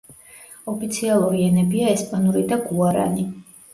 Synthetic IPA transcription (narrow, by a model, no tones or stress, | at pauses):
ɔpʰit̪sʰialˠuɾiɛnɛbiaɛspʼanuɾid̪aɡuaɾa̰ni